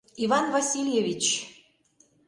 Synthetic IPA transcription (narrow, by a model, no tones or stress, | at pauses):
ivɑnvɑsʲilʲjevʲit͡ɕ